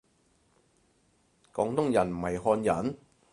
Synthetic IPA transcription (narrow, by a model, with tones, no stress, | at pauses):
kɔː˨˧ŋt̪ʊ˥ŋjɐ˨˩nm̩˨˩hɐ˨˩jɦɔː˧njɐ˨˥n